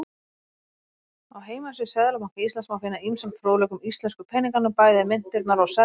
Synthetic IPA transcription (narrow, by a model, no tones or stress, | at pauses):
awɦeːjmasɪsɛðalamaŋkaist̪lɛnsmawfɪnːaimsanfɾoːwlɛkʏmist̪lɛnskʏpʰɛniŋkanʏpaːjðɪɪmɪn̥t̪ɪɾp̪naɾawsɛ